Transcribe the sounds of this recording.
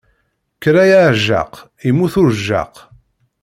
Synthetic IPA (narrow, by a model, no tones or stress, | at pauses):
kːɾæjaʕʒa̰q | imːuθʊɾʒːa̰q